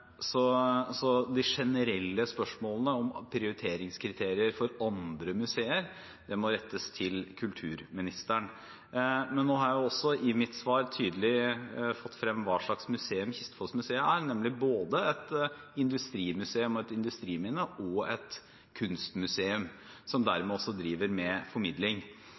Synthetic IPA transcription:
sɔsɔd̪ɪʂɛnəɾɛlːəspœʂmoːlnəɔmpʰɾɪʊɾɪt̪ʰeːɾɪŋskʰɾɪt̪ʰeːɾɪəɾfɔɾɑnd̪ɾəmʉseːəɾ | d̪̥ɛmɔɾɛt̪ːəst̪ʰɪlkʰʉlt̪ʰʉːɾmɪnɪst̪əɳ | mɛnːoːɦɑɾjæjʊɔsːɔʔɪmɪt̪sʋɑːɾt̪ʰyːd̪əlɪfɔt̪ːfɾɛmːʋɑːʂɭɑksmʉseːʉmçɪst̪ə̥fɔsmʉseːəæɾnɛmlɪboːd̪əɛt̪ɪnd̪ʉst̪ɾiːmʉseːʉmɔɛt̪ɪnd̪ʉst̪ɾiːmɪnəʔɔɛt̪ | kʰʉnst̪mʉseːʉm | sɔmd̪æɾmɛɔsːɔd̪ɾiːʋəɾmɛfɔɾmɪd̪lɪŋ

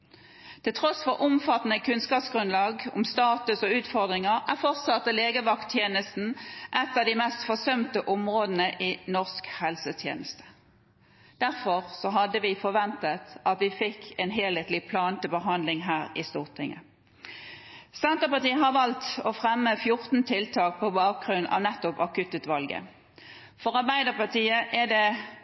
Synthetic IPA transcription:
t̪ʰɪlt̪ʰʁɔsfɔʁʔʊmfɑt̪ːn̩əkʰʉnskɑːpsɡ̥ʁʉnlɑːɡʊ̰mst̪ɑːt̪ʉsɔʉːt̪fɔʁd̪ʁɪŋəʁæʁfɔʁt̪sɑt̪ːəleːɡəʋɑkt̪ʰjeːnəst̪n̩ʔɛt̪ːɑd̪iɪmɛst̪fɔsœmt̪əʔʊmʁoːd̪n̩əʔiːnɔʁskhɛlsət̪ʰjḛːnəst̪ə̥ | d̪̥æʁfɔʁsɔɦɑd̪əʋɪfɔʋɛnt̪ət̪ʔɑt̪ʋɪfɪkʰːɛnɦeːleːt̪lɪpʰlɑːnt̪əbəɦɑnd̪lɪŋɦæːɾɪst̪uːʁt̪ʰɪŋə̰ | sɛnt̪əpɑt̪iːəɦɑʁʋɑlt̪ɔfʁɛmːəfjʊʁt̪n̩t̪ʰɪlt̪ʰɑːk̚pʰɔbɑːk̚ɡʁʉnːʔɑ̰ːʋnɛt̪ːʊpɑkʉt̪ʉːt̪ʋɑlɡə̰ | fɔʁɑbæɪd̪əpɑt̪iːəʔɛd̪ɛ

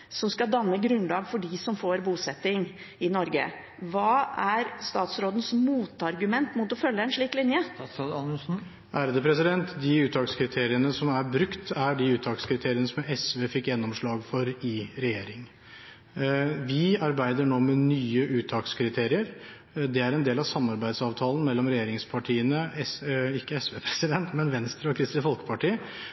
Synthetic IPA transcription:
sɔmskɑd̪ɑnːəɡɾʉnlɑːɡfɔɖɪsɔmfoːɾbuːsɛt̪ːɪŋ | ɪnɔɾɡə̰ | ʋɑːæɾst̪ɑːt̪sɾoːd̪ən̩smuːt̪ɑɾɡʉmɛnt̪mʊt̪ɔfœlːəɛnʂɭiːklɪnjəɑn̩ | ʔæːɾd̪əpʰɾɛsɪd̪ɛnt̪d̪ɪʉːt̪ʰːɑːkskʰɾɪt̪ʰeːɾɪənəsɔmæɾbɾʉkt̪æɖɪʉːt̪ʰɑːkskʰɾɪt̪ʰeːɾɪənəsɔmɛsʋeːfɪkːjɛnːɔmʂɭɑːɡfɔɾɪɾɛjeːɾɪŋ | ʋɪɑɾbæɪd̪əɳoːmɛnyːəʔʉːt̪ʰɑːkskʰɾɪt̪ʰeːɾɪəɾ | d̪ɛæɾɛnd̪eːlɑʋsɑmːɑɾbæɪd̪sɑːʋt̪ʰɑːlən̩mɛlːɔmɾɛjeːɾɪŋspʰɑʈʰiːənəɛɪkːəɛsʋeːpʰɾɛsɪd̪ɛnt̪mɛnʋɛnst̪ɾəɔkʰɾɪst̪ɪfɔlkə̥pʰɑʈiːə

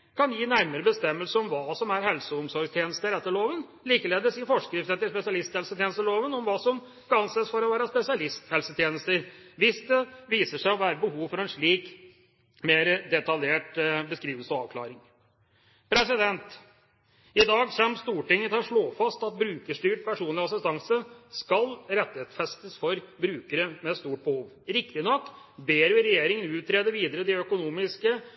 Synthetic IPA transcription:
kʰɑnjiːnæɾməɾəbəst̪ɛmːəlsəɔmʋɑːsɔmæɾhɛlsəʊmsɔɾɡst̪jeːnəst̪əɾɛt̪ːəɭoːʋən | liːkəleːd̪əsɪfɔʂkɾɪft̪ət̪ːɪlspɛsɪɑlɪst̪hɛlsət̪jeːnəst̪əloːʋənɔmʋɑːsɔm | kɑɑnseːsfɔɾɔʋæːɾəspɛsɪɑlɪst̪hɛlsət̪ʰjeːnəst̪əɾʋɪsd̪ɛʋiːsəʂæɪɔʋæːɾəbəhuːʋfɔɾɛnʂɭiːk | meːɾəd̪ɛt̪ɑljeːʈbəskɾiːʋəlsɔɑːʋkʰlɑ̰ːɾɪŋ | pʰɾɛsɪd̪ɛnt̪ | ɪd̪ɑːɡsɛmst̪uːʈɪŋːət̪ʰɑʂɭoːfɑst̪ɑt̪̚bɾʉːkəʂʈyːʈ̚pʰæʂuːnlɪɑsɪst̪ɑŋsəskɑlɾɛt̪ːɪheːt̪sfɛst̪əsfɔɾbɾʉːkəɾəmɛst̪uːʈ̚bəhuːʋ | ɾɪkt̪ɪnɔkː | beːɾʋɪɾɛjeːɾɪŋənʉːt̪ʰːɾeːd̪əʋiːd̪əɾəd̪ɪœkʊnuːmɪskə

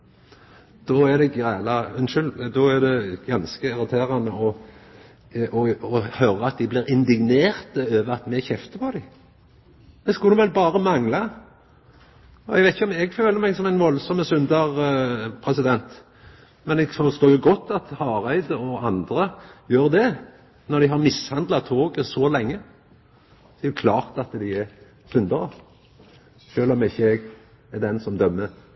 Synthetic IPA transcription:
d̪̥ɔæd̪ɛɡæːlɑʉnʃʏld̪ɔæd̪ɛɡ̥ɑnskəɪɾɑt̪ʰeːɾɑnəɔ | ʔɔɔhœɾəɑt̪̚d̪ɪblɪːɾɪnd̪ɪɡneːʁt̪əøːʋəʁɑt̪mɛçɛft̪əpʰɔd̪ɪ | mɛskʊd̪ɛʋɛlbɑːɾəmɑŋlɑ | ɔɛ̰ɡʋæɪt̪ɪçəɔmɛɡføːləɾmɛɡsɔmæɪnʋɔlsɔməsʉnd̪əʁpʰɾɛsɪd̪ɛnt̪ | mɛnɛɡfɔʁst̪oːjʊɡɔt̪ːɑt̪hɑːɾæɪd̪əɔɑnd̪ɾəjøːɾd̪ɛ | nɔʁd̪ɪɦɑʁmɪshɑnd̪lɑt̪ʰːoːɡəsɔlɛŋːə | ɔɛjʊkʰlɑːʁt̪ɑt̪d̪ɪɛ | sʉnd̪əʁə | ʃøːlɔmɪçːəɛɡ | ɛd̪ɛnsɔmd̪œmːə

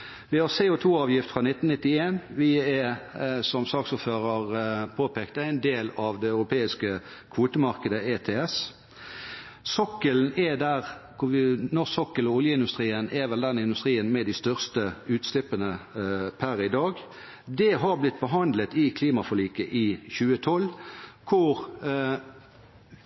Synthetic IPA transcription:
ʋɪhɑʁseːʊt̪ʰuːɑːʋjɪft̪fʁɑnɪt̪ːn̩nɪt̪ːɪeːnʋɪɛsɔmsɑːksuːføːʁəʁpʰoːpʰeːkt̪əæɪnd̪eːlɑʋd̪ɛɑʉɾʊpʰeːɪskə | kʰʋuːt̪əmɑɾkəd̪əeːt̪ʰeːɛs | sɔkəln̩ɛd̪æʁkʰʊʋɪnɔʁsɔkːəlɔʊljəɪnd̪ʉst̪ʁiːənʔɛʋɛld̪ɛnɪnd̪ʉst̪ʁiːənmɛd̪ɪst̪œʁst̪əʉːt̪slɪpːənəpʰæɾɪd̪ɑːɡ | d̪ɛɦɑɾblɪt̪̚ːbəɦɑnd̪lət̪ɪkʰliːmɑfɔʁliːkəʔɪçʉːət̪ʰɔlkʰʊʁ

